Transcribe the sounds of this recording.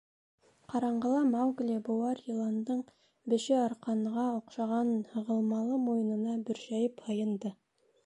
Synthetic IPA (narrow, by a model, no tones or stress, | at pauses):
qʰɑɾɑɴɢɤ̆lˠɑmawɡlʲibowɑɾjilˠɑnd̪ɤɴ | bɘ̆ʃɘɑɾqɑnʁɑŏqʃɑʁɑnhɤ̆ʁɤ̆lˠmɑlˠɤmojɤ̆nɤ̆nɑbɵ̆ɾʃæjɘphɤ̆jɤ̆nd̪ɤ